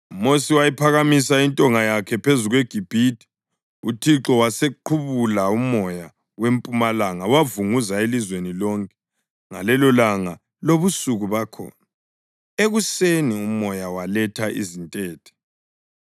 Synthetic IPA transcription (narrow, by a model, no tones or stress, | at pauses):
umosiwajipʰaɣamisaintʼɔŋajakʰɛpʰezuɣweɡ̥ʱib̥ʱitʰʼi̥ | utʰiǁɔwaseǃʰuβulaumɔja | wempʼumalaŋawavuŋuzaelizwenilɔŋkʼɛ̥ | ŋa̰lɛlɔlaŋa | loβusuɣuβakʰɔ̰ːna | eɣuseniumɔjawalɛtʰaʔḭzintʼɛːtʰɛ̥